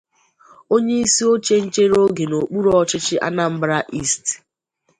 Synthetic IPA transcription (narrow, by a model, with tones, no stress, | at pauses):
o˦ɲe˦i˦si˦o˦t͡ʃe˦n̩˦t͡ʃe˦ɾo˦ɡe˨no˨k͡pu˦ɾɔ˦ɔ˦t͡ʃɪ˦t͡ʃɪ˦ʔa̰˦na˦m̩˦bɾa˦ʔi˦˨st